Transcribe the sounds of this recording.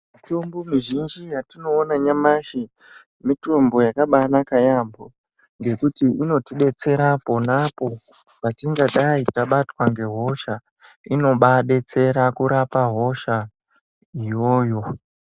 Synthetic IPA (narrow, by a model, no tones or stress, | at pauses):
mitombomiʒind͡ʒijatino̞ːnaɲamaʃi | mito̞mbo̞jakaɓanakajambo | ŋɡe̞kutiʔino̞tiɗe̞t͡se̞ɾapo̞napo̞patiŋɡaɗaitaɓatwaŋɡe̞ɦo̞ʃa | ino̞ɓaɗe̞t͡se̞ɾakuɾapaɦo̞ʃa | ijo̞ːjo̞